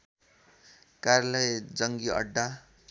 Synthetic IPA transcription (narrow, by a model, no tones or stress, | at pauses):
kaɾlʌjd͡zʌŋɡiʌ̰ɖːa